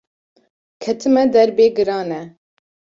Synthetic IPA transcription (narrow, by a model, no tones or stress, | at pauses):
kʰɛt̪ʰɨmɛd̪ɛɾbeːɡɨɾɑːnɛ